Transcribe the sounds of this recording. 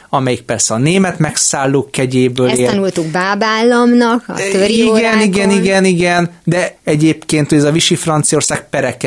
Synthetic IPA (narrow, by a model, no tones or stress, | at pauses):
ɒmɛjik̚pɛrsɛɒneːmɛt̪mɛksaːlːoːkɛɟeːbøːleːnult̪uɡbaːbaːlːɒmnɒkɒ̰t̪øɾiɡɛniɡɛniɡɛniɡɛn | d̪ɛɛɟeːpkeːnt̪hoɟɛzɒviʃifrɒnt̪sijɒorsaːk̚pɛɾɛkɛ